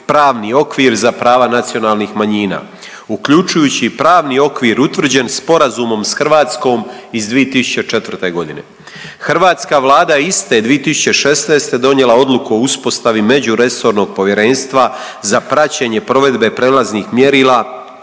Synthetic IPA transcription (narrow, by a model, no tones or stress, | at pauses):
pɾaːʋnio̞kʋiːɾzapɾaːʋanat̪sio̞naːlˠniːxmaɲiːna̰ː | ukʎut͡ʃujuːt͡ɕipɾaːʋnio̞kʋiːɾut̪ʋr̩d͡ʑe̞nspo̞ɾazumo̞msxrʋaːt̪sko̞ːmizd̪ʋijet̪isu̥t͡ɕet͡ʃe̞t̪ʋrt̪e̞ɡo̞d̪inḛ | xrʋaːt̪skaʋlaːd̪ajeist̪ed̪ʋiet̪isu̥t͡ɕe̞ʃe̞sneːst̪e̞d̪o̞nje̞lao̞d̪lukuo̞uspo̞st̪aʋime̞d͡ʑuɾe̞so̞ːɾno̞ːɡ̚po̞ʋje̞ɾe̞ːnst̪ʋa | zapɾat͡ɕeɲe̞pɾo̞ʋe̞d̪be̞pɾeːlazniːxmje̞ɾiːlaː